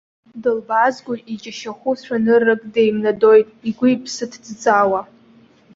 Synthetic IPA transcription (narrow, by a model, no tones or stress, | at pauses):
dɨlbazɡʷʊit͡ʃʼaʃaχʷuʃʷʰᶣanɨrːɨkʼde̞jmnado̞jtʼiɡʷʊipʰsɨtʰdd͡zʼawa